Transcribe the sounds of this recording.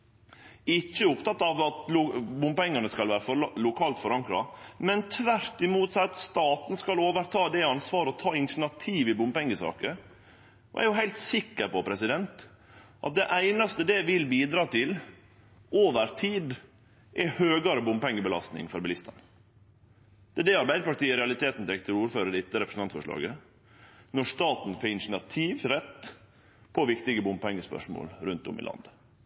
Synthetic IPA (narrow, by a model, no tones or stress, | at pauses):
ɪt͡ʃːəʊpt̪ɑt̪ːɑʋɑt̪bʊmpɛŋːənəskɑlʋæːɾəflʊkʰɑːlt̪fɔɾɑŋkɾɑ̰mɛnt̪ʰʋæɾt̪ɪmuːt̪sɑt̪st̪ɑːt̪n̩skɑloːʋəɾt̪ʰɑːd̪ɛɑnsʋɑːɾəɔt̪ʰɑːɪnʃɳɑt̪ʰiːʋɪbʊmpɛŋɡəsɑ̰ːkə | ɔ̰ʔæ̰ɾjʊɦæɪlt̪sɪkːəɾpɔpʰɾɛsɪd̪ɛnt̪ | ʔɑt̪̚d̪ɛʔæɪnɑst̪əd̪ɛʋɪlbiːd̪ɾɑːt̪ʰɪl | oːʋəɾt̪ʰiːd̪ | ʔɛhøːɡɑɾəbʊmpɛŋːəbəlɑst̪nɪ̰ŋfɔɾbɛlɪst̪ɑ̰n | d̪̥ɛæːɖɛɑɾbæɪd̪əpɑʈiːəɾɛɑlɪt̪ʰeːt̪n̩t̪ʰɛkt̪ɪɾuːɾføːɾəd̪ɪt̪ːəɾɛpɾəsn̩ɑnt̪fɔʂɭɑ̰ːɡə | nɔʂt̪ɑːt̪n̩fɔɾɪnʂnɑt̪ʰiːʋɾɛt̪ː | pʰɔʋɪkt̪ɪɡəbʊmpɛŋːəspœ̰ʂmo̰ːlɾʉnt̪ʊ̰mɪ̰lɑ̰nd̪ə